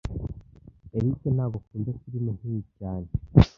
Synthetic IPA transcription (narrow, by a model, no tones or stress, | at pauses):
eɾiken̥aːɡo̞kuːnzekuɾimon̥ijicaːne